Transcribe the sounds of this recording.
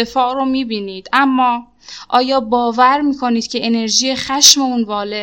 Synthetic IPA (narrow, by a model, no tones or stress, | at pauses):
efɒːʔɾomiːbiːniːd̪̥ʔæmːɒː | ʔɒːjɒːbɒːvæɾmiːkʰo̞niːd̪̥cʰe̞ʔene̞ɾʒiːjexæʃme̞unvɒːle̞